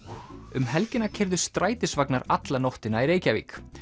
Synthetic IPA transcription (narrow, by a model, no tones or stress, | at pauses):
ʏmɦɛlcɪnacʰɛɾðʏ̥st̪ɾaːjt̪ɪsvaknaɾat̪lanowht̪ɪnaiɾeːjcavḭːk